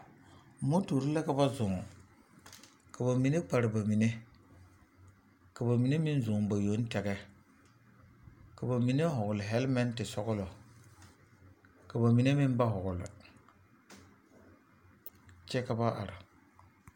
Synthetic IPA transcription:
mo˦to˨ɾi˦la˦ka˦ba˦zʊ˨ŋ˨ | ka˨ba˨mi˨ne˦k͡pa˨ɾɪ˨ba˨mi˨ne˦ | ka˨ba˨mi˨ne˦mi˦n˦zʊ˨ŋba˨jo˨˦n˦tɛ˨ɡɛ˦ | ka˨ba˨mi˨ne˦ɦʊ˨ɡʊ˨lɪ˨ɦɛ˦lma˦ntɪ˨sɔ˦ɡʊ˦lɔ˨ | ka˨ba˨mi˨ne˦mɪ˦n˦ba˦ɦʊ˨ɡʊ˨lɪ̰˨ | t͡ʃɛ˦ka˦ba˦ʔa̰˨ɾɪ˨

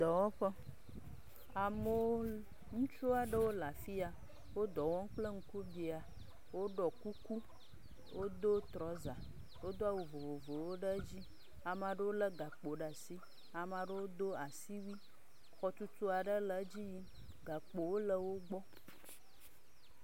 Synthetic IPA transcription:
d̪ɔ˨wɔ˦ɸə˦ | a˨mə˨wo˦ | ŋũ˦t͡ʃu˦a˨ɖə˦wo˦la˨fi˦a˨ | wo˦d̪ɔ˨wɔ̃˦ŋ̩˦k͡plə˦ŋ̩˦ku˦ɖi˨a˨ | wo˦ɖɔ˨ku˦ku˦ | wo˦d̪o˦t̪ɾɔ˨˦za˨ | wo˦d̪o˦a˨wo˨vo˨vo˨vo˨wo˦ɖə˦d͡ʑi˦ | a˨ma˨ɖə˦wo˦lə˦ɡa˨k͡po˨ɖa˨si˦ | a˨mã˨ɖə˦wo˦d̪o˦a˨si˦wi˦ | xɔ˨t̪u˦t̪u˦a˨ɖə˦lə˨˦d͡ʑi˦ji˦ | ɡa˨k͡po˨wo˦lə˨wo˦ɡ͡bɔ˦

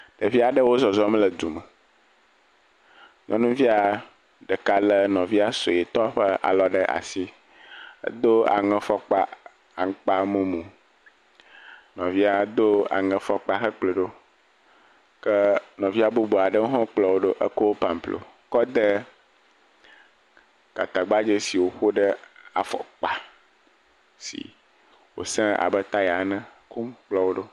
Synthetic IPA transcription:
ɖ̥ə˨vi˦a˨ɖə˦wo˦zɔ˨zɔ˦m˦lə˨d̪u˨mə˨ | ɲʔɔ̰̃˦nũ˦vi˦a˨ | ɖə˨ka˨lə˦nɔ̃˨vi˦a˦so˨e˨t̪ɔ˦ɸə˦a̰˨lɔ˦ɖə˦ʔa̰˨si˦ | ə̰˦d̪o˦a̰˨ŋɛ̃˦fɔ˦k͡pa̰˦ | a˨ŋ̩˦k͡pa˦mũ˦mũ˨ | nɔ̃˨vi˦a˨d̪o˦a̰˨ŋɛ̃˨fɔ˦k͡pa˦xə˦k͡ple˨ɖo˦ | kə˦nɔ̃˨vi˦a˦bu˦bo˨a˨ɖə˦wo˦ɦɔ̃˦k͡plɔ˦wo˦ɖo˦ʔə˦ko˦wo˦pa˨m˨plo̰˨ | kɔ˦d̪ə˦ | ka˨t̪a˨ɡ͡ba˦d͡ʒe˦si˨wo˨xo˦ɖə˦a˨fɔ̰˨k͡pa˨ | sḭ˨ | wo̰˨sɛ̃˦a̰˨bə˦t̪a˦ja˨˦nɛ̃˦ku˦mk͡plɔ˦wo˦ɖo˦

